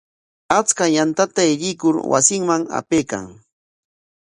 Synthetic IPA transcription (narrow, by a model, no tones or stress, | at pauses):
at͡skajant̪at̪aɪʎɪkʊɾwa̰sɪŋmaŋa̰peːka̰ŋ